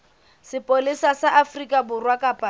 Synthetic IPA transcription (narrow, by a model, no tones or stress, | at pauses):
sɪpʼolisasaʔafrikʼabʊrwakʼapʼa